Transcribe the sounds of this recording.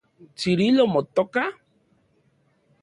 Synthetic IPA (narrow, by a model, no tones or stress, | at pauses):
t͡ʃiɾilɔmɔt̪ɔka